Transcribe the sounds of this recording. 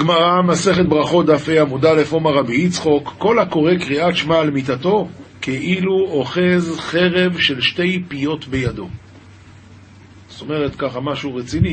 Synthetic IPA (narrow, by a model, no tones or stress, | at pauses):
ɡmaʁamase̞χet̪̚bʁaχo̞d̪afejamudalefomaʁabiit͡sχo̞kːo̞lako̞ʁekʁiatʃmaːlmit̪at̪o̞ke̞ʔiluo̞χe̞zχe̞ʁe̞vʃe̞lʃte̞jpijo̞t̪be̞jado̞ | so̞me̞ʁetkaχamaʃuʁet͡sini